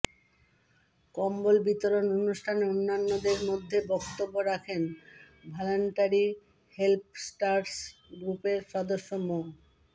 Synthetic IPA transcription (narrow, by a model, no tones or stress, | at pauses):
kɔmbolbit̪oɾononuʃʈʰaneonːanːod̪eɾmod̪ʱːebɔkt̪obːoɾakʰen | bʱɔloɳʈaɾi | help̚ʰsʈaɾsɡɾupeɾʃɔd̪oʃːomo